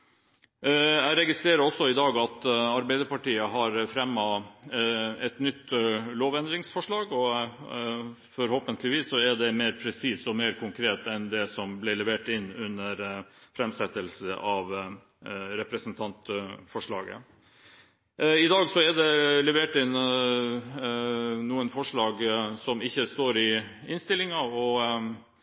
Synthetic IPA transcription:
æɪɾɛɡɪst̪ɾeːɾəɾɔsːɔɪd̪ɑːɡɑt̪ɑɾbæɪd̪əɾpɑʈiːəɦɑɾfɾɛmːɑ | ɛt̪nʏt̪ːloːʋɛnd̪ɾɪŋsfɔʂɭɑːɡɔ | fɔɾhoːpənt̪əlɪʋiːsːɔɛɖɛmeːɾpʰɾɛsiːsɔmeːɾkʰʊŋkʰɾeːt̪ɛnd̪ɛsɔmblɪɭɛʋeːʈɪnːʉnːəɾfɾɛmsɛt̪ːəlsəʔɑʋ | ɾɛpɾɛsnt̪ʰɑnt̪fɔʂɭɑ̰ːɡə̰ | ɪd̪ɑːɡsɔæɖɛlɛʋeːʈɪn | nuːənfɔʂɭɑːɡsɔmɪçːəst̪oːɾɪ | ɪnst̪ɪlɪŋɑɔ

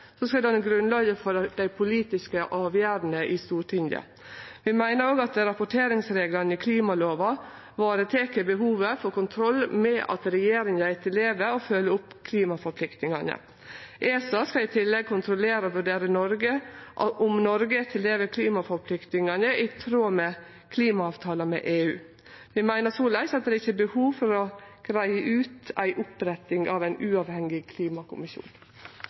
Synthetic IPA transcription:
sɔskɑd̪ɛɑnɡɾʉnlɑːɡəfɔɾd̪æɪpʰʊliːt̪ɪskəʔɑːʋjæːɾnəʔɪst̪uːʈʰɪnd̪jɑ̰ | ʋɪmæɪnəɾoːɡɑt̪̚d̪ɛɾɑpʊʈʰeːɾɪŋsɾeːɡlɑnəɪkʰliːmɑloːʋɑ | ʋɑːɾət̪ʰeːkəbəɦuːʋəfɔkʊnt̪ʰɾɔlːmɛʔɑ̰t̪ɾɛjeːɾɪŋæɪt̪ʰɪleːʋəɔfœlːəʊpːkʰliːmɑfɔɾpʰlɪkt̪nɪŋɑnə̰ | ʔeːsɑskɑɪt̪ʰɪlːɛɡ̚kʰʊnt̪ʰɾʊleːɾəʋʉɖeːɾənɔɾɡəʔʊmnɔɾɡət̪ʰɪleːʋəkʰliːmɑfɔɾpʰlɪkt̪nɪŋɑnəʔɪt̪ʰɾoːmɛ | kʰliːmɑɑːʋt̪ʰɑːləmɛ̰ʔeːʉ̰ː | ʋɪmæɪnəsuːlæɪsɑt̪̚d̪ɛɪçːəbəhuːʋfɔɾɔɡ̥ɾæɪəʔʉːt̪æ̰ɪʔʊpɾɛt̪ːɪŋʔɑ̰ʋæɪnʔʉːɑʋhɛŋɪkʰliːmɑkʰʊ̰mɪʃjṵːn

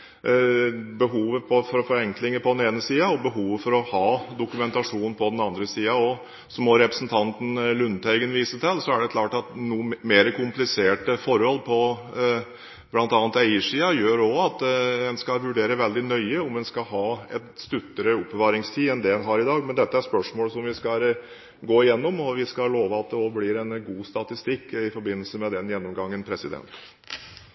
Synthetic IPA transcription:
bəɦuːʋəpʰɔfɔɾɔfɔɾɛŋklɪŋəpʰɔd̪ɛneːnəsiːɑɔbəɦuːʋəfɔɾɔhɑːd̪ʊkʉmɛnt̪ɑʂuːnn̩pʰɔd̪ɛnɑnd̪ɾəsiːɑɔ | sɔmɔɾɛpɾəsn̩t̪ʰɑnt̪ən̩lʉnt̪ʰæɪɡənʋiːsət̪ʰɛlsɔæɖɛkʰlɑːʈɑt̪nuːmeːɾəkʰʊmplɪseːʈəfɔɾhɔlpʰɔ | blɑnt̪ɑːnt̪æɪəʂiːɑjøːɾɔɑt̪ɛnskɑʋʉɖeːɾəʋɛld̪ɪnœʏəɔmɛnskɑlɦɑːɛt̪st̪ʉt̪ːəɾəʊpːəʋɑːɾɪŋst̪ʰiːɛnd̪ɛɛnɦɑɾɪd̪ɑːɡmɛnd̪ɛt̪ːəæɾspœʂmoːləsɔmʋɪskɑ | ɡoːɪjɛnːɔmɔʋɪskɑloːʋəɑt̪̚d̪ɛɔblɪɾɛnɡuːst̪ɑt̪ɪst̪ɪkːɪfɔɾbɪnːəl̩səmɛd̪ɛnjɛnːɔmɡɑŋːənpʰɾɛsɪd̪ɛ̰nt̪

